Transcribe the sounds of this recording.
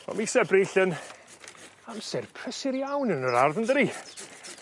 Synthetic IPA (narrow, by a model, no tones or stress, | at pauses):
ɔ̰misɛbriːɬən | amsɛrpʰr̥əsɪɾjawnənəɾarðəndəɾi